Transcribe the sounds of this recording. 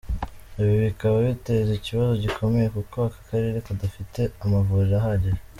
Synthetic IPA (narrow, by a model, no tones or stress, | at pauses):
iβiβikaβaβite̞ziciβazo̞ɟikʰo̞me̞jekuko̞βakḁkaɾeɾe̞kudafite̞amavuːɾiɾaɦaɟeɾe